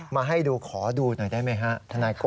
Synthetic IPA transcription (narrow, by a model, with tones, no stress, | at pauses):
maː˧ɦa˥˩jduː˧kʰɔː˩˦duː˧no˨˩jdaː˥˩jma˦˥˩jɦa˦˥ʔt̪ʰa˧naː˧jko˧